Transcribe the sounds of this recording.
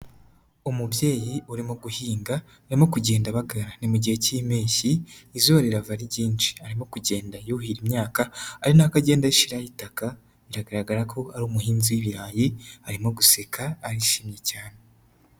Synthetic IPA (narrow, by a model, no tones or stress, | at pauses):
umubje̞ːjiʔuɾimoɡuhiːŋɡaː | ɾimo̞kuɟe̞ːndaβaɡaɾanimuɟihe̞cimeːçiːzoβɾeɾavaɾiɟiːnʃi̥aɾimo̞kuɟe̞ːndajohiɾimɲaːkaaɾinakaɟe̞ːndaiʃiɾaɾitaka | iɾaɡaɾaɡaɾakʰo̞aɾuːmuhiːnziwiβiɾaːjihaɾimo̞ɡusekʰaːɾiʃimɲecaːne